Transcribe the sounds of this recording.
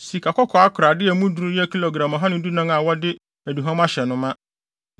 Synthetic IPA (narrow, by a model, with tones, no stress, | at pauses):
si˨kʰa˨kʰɔ˦kʰɔ˨a˦kʰʊ˨ɾa˨dɪ˦ɛ˨˦mũ˦dɾu˦jɛ˦kʰi˦lo˨ɡɾã˨mɔ˨ɦa˦nʊ̃˦du˦nã˦ŋa˨wɔ˦dɪ˦ | æ˨du˨ɦã˦m˦a˦ɕɛ˨nʊ̃˦mã˦